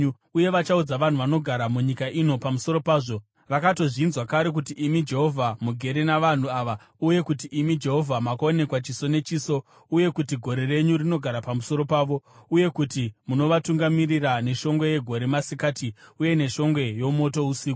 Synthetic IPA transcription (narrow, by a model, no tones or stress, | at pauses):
uje̞ʋat͡ʃaud͡zaʋan̤uʋano̞ɡʱaɾamuɲikaʔino̞pamuso̞ɾo̞paːʐo̞ | ʋakato̞ʐiːnzwakaɾe̞k̬utiʔimid͡ʒe̞ɦo̞vʱamuɡʱe̞ɾenaʋan̤uaʋa | uje̞kutiʔimid͡ʒe̞ɦo̞vʱamakao̞ne̞kwat͡ʃiso̞ne̞t͡ʃiːso̞ | uje̞kutiɡʱo̞ɾe̞re̞ɲurino̞ɡʱaɾapamuso̞ɾo̞paːʋo̞uje̞kutimuno̞ʋatuŋɡamirirane̞ʃo̞ŋɡwe̞je̞ɡʱo̞ɾemasikaːtiuje̞ne̞ʃo̞ŋɡwe̞jo̞mo̞to̞usiːko